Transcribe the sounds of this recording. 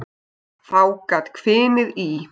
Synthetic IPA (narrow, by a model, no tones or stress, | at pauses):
θawkaːt̪kʰvɪːmɪði